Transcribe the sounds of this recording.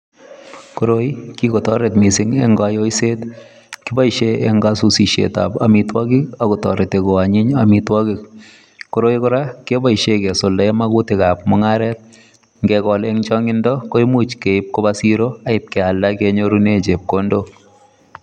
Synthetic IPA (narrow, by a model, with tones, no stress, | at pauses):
ko˦ɾo˦i˦ki˦kɔ˨tɔ˦ɾe˨tmi˨sɪ˦ŋe˦ŋɡajo˦i˦se˦t | ki˦ba˦iʃe˦ɛ˦ŋɡasu˦si˨ʃḛ˨ta̰˨pa˨mitwa˦ɡɪ˦kakɔ˨tɔ˨ɾe˨te˨ko˨a˨ɲɪ˦ɲamitwa˦ki˨k̚ | koɾo˦ikɔ˦ɾa˦ke˦ba˦˨i˨ʃekɛ˨so˨lda˨ɛma˦kʊ˦tɪka˨p̚mɔ˦ŋa˦ɾɛ˦t̚ | ŋɡɛ˨kɔ˨lɛ˦ŋt͡ʃɔ˦ŋɪ˦ndɔ˦ko˦i˦mu˦t͡ʃke˨ip̚ko˦basi˦ɾo˦a˦ɪ˨p̚kɛ˨a˨ldake˦ɲo˦ɾu˦ne˦t͡ʃe˨p̚kondo˦